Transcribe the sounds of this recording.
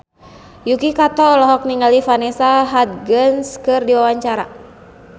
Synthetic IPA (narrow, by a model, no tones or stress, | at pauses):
jukikat̪ɔlɔɦɔk̚niŋalifanɛsaɦat̪̚ɡənskɨrdiwawaɲt͡ʃaɾa